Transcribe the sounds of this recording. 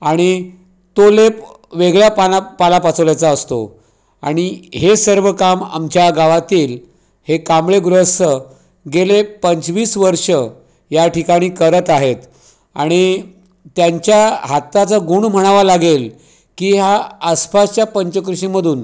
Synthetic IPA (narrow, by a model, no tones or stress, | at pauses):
aɽ̃i | t̪olep | ʋeɡɭjapapalapat͡səʋljajt͡saəst̪o̰ | aɽ̃iɦesəɾʋəkama̰mt͡ɕjaɡaʋat̪iːl | hekamɭeɡɾəst̪ə | ɡelepəɲt͡sʋiːsʋəɾʂə | jaʈʰikaɽ̃iːkəɾət̪aɦet̪ | aɽ̃i | t̪jaɲt͡ɕjaɦat̪ːat͡səɡuɳm̤əɽ̃aʋalaɡel | kiːɦaəspast͡ɕjapəɲt͡ɕəkɾuɕiməd̪ʱuːn